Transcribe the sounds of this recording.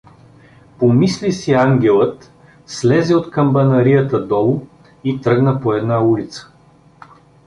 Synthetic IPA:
pomislisiaŋɡʲɛlˠət̪ | slɛzɛot̪kəmbɐnɐɾijət̪əd̪ɔlˠʊ | it̪ɾɤɡnəpoɛd̪naulit̪sə̥

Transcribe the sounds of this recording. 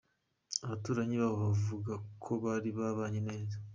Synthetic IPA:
aβatuːɾaɲiβaβoβavuɡakʰo̞βaːɾiβaβaːɲene̞ːza

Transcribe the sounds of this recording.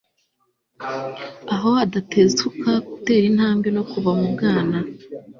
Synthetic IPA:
aɦo̞adatʰe̞zukakute̞ːɾin̥haːmbino̞kuβamubɡaːna

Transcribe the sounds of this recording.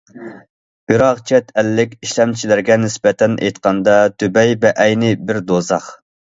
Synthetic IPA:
biɾɑʁt͡ʃʰɛt̪ʰɛlːɪkʲiʃlɛmt͡ʃʰilæɾɡʲɛnɪsbɛt̪ʰɛnʔḛjt̪qɑnd̪ɑt̪ʰybɛjvɛʔɛjnɪbɪɾd̪ozɑχ

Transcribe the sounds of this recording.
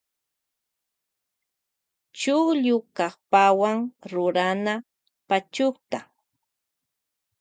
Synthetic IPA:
t͡ʃʊχʎʊkɑχpawaŋɾʊɾana | pat͡ʃʊχt̪a

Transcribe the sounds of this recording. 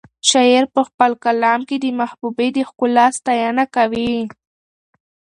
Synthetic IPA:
ʃajeɾpəxpəlkalɑmked̪əmahbubed̪əxkʊlːɑst̪ajɑnakawi

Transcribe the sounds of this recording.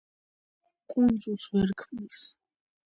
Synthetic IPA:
kʼund̪zʼulˠsvɛɾkʰmnis

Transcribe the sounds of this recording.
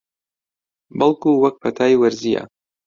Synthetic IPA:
bɐlˠkuwɐk̚pɐt̪ʰaːjwɐɾzija̰

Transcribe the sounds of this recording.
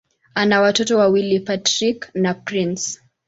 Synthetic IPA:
anawatɔtɔwawilipatɾiknapɾins

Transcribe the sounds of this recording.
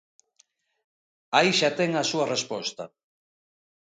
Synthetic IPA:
aiʃat̪ɛŋasuɐrespɔst̪a̰

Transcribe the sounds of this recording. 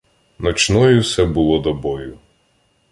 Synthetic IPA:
nɔt͡ʃnɔjʊwsɛbʊlˠɔd̪ɔbɔjʊ

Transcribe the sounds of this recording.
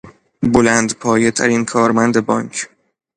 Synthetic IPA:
bolæːnd̪pʰɒːjet̪ʰæ̰ɾiːnkʰɒːɾmænd̪ebɒːŋkʰ

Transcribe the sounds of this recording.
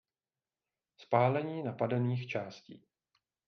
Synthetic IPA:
spaːlɛɲiːnapadɛniːxt͡ʃaːscḭː

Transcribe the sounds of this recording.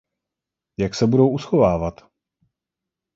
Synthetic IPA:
jaksɛbudo̞wʔusxovaːvat̪

